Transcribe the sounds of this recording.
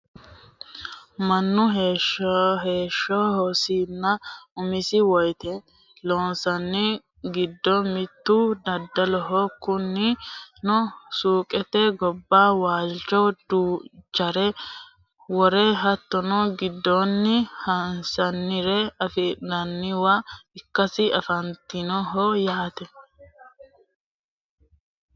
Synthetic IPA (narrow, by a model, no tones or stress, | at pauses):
mɐnːʊɦeʃɦeːʃːɔhɔsiːnːɐʊmɪsɪwɔjt̪ɛ | loːnsɐnːɪ | ɡɪd̪ːɔmɪt̪ːʊd̪ɐd̪ːɐlɔɦɔkʊnːɪnɔsuːkʼɛt̪ːɛɡɔbːaːwaːlt͡ʃɔd̪uːd͡ʒɐɾɛ | wɔɾeːɦɐt̪ːɔnɔɡɪd̪ːonːɪhɐnsɐnːɪɾɛɐfɛnɐnːɪwaɪkːɐsɪɐfɐnt̪ɪnɔɦɔjaːt̪ɛ